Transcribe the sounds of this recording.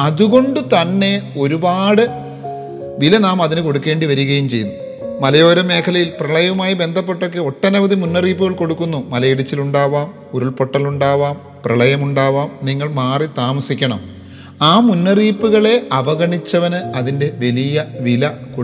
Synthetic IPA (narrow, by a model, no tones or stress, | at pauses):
ɐðuɣo̞ɳɖɨt̪ɐnːe̞o̞ɾubaːɽɨ | ʋilɐnaːmɐðinɨko̞ɽukːe̞ːɳɖiʋɐɾuɣɐjumt͡ɕe̞junːu | mɐlɐjo̞ːɾɐme̞ːkʰɐlɐjilprɐɭɐjɐumaːjibe̞nd̪ʱɐp̬ːe̞ʈːo̞kːe̞o̞ʈːɐnɐʋɐðimunːɐriːpːuɣɐɭko̞ɽukːunːumɐlɐjiɽit͡ɕːiluɳɖaːʋaːm | uɾuɭpoʈːɐluɳɖaːʋaːm | prɐɭɐjɐmuɳɖaːʋaːmniŋːɐɭmaːrit̪aːmɐsikʲːɐɳɐm | aːmunːɐriːpːuɣɐɭe̞ʔɐʋɐɣɐɳit͡ɕːɐʋɐnɨɐðinde̞ʋelijɐʋilɐko